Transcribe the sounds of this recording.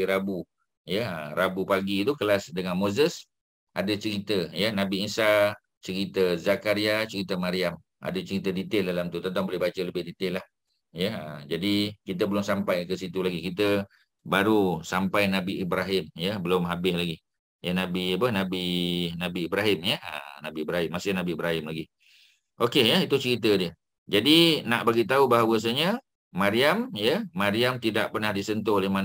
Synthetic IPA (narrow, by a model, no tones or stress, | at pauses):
iɾabu | jəəɾabupaɡit̪ukəlasdəŋanmozəs | ʔadət͡ʃəɾit̪əjənabiːnsa | t͡ʃəɾit̪əzakaɾiat͡ʃəɾit̪əmaɾiam | a̰dət͡ʃəɾit̪ədit̪ɪldalamt̪ut̪ənt̪aŋbolɛhbat͡ʃələbɪhdit̪ɪlah | jəmd͡ʒadikit̪əbəlʊmsampajkəsit̪ulaɡikit̪̬ə | baɾusampajnabiʔibɾaɦɪmjəbəlʊmɦabɪslaɡi | jənabiapəhnabinabiːbɾaɦɪmjəə̰nabiibɾaɦɪmːasɪhnabiːbɾaɦɪmlaɡi | ʔokejəit̪ut͡ʃəɾit̪̬ədiə | d͡ʒadinaʔbaɡit̪̬aubaɦawəs̬aɲə | maɾiamjəmaɾiamt̪idaʔpərnahdisənt̪̬ʊholehman